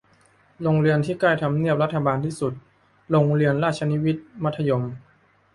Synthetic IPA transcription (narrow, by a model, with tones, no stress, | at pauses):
lo˧ŋɾi˧ənt̪ʰiː˥˩kla˥˩jt̪ʰa˧mni˥˩əp̚ɾa˦˥t̪ʰːa˧baː˧nt̪ʰiː˥˩su˨˩t̪̚ | lo˧ŋɾi˧ənɾaː˥˩t͡ɕʰa˧ni˦˥wi˦˥t̪̚ma˦˥t̪ʰːa˧jo˧m